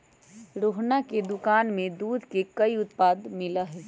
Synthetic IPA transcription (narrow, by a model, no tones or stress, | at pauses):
ɾoɦnaked̪ʊkaːnmẽd̪uːd̪ʱkekəiʊt̪paːd̪mɪləɦɛ